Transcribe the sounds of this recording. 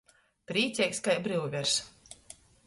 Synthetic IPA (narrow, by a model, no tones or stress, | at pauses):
pɾiːt̪sʲɛkskajbɾɨwvʲɛɾs